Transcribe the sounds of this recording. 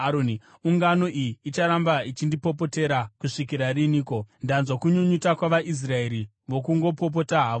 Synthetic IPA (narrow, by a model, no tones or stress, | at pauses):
aɾoni | uŋɡano̞ʔijiːt͡ʃaɾambait͡ʃindipo̞p̬o̞te̞ɾakuʂikiɾariniːko̞ndanzwakuɲuɲutakwaʋaʔis̬rae̞ɾi | ʋo̞kuŋɡo̞po̞p̬o̞taɦaːʋo